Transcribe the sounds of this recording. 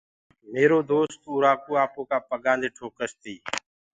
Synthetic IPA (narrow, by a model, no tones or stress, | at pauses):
meːɾoːd̪oːst̪uːɾaːkoːaːpoːkaːpəɠãːnd̪eːʈʰoːkəst̪iː